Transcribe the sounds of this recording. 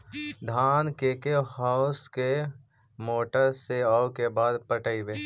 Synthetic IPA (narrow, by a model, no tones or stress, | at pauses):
d̪ʱaːnkeːkehaʊske | moːʈəɾseawkebaːd̪pəʈəibeː